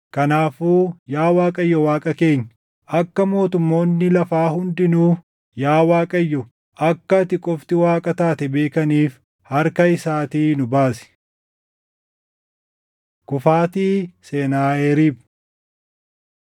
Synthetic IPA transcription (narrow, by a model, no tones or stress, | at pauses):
kɐnaːfuːjaːwaːkʼɐjːɔwaːkʼɐke̞ːɲː | ʔɐkːɐmo̞ːt̪ʊmːo̞ːnːɪlɐfaːhʊnd̪ɪnuː | jaːwaːkʼɐjːɔ | ʔɐkːɐt̪ɪkʼɔft̪ɪwaːkʼɐt̪aːt̪ɛbe̞ːkɐniːf | hɐɾkɐɪsaːt̪iːnʊbaːsɪ̥ | kʊfaːt̪iːseːnaːeɾiːb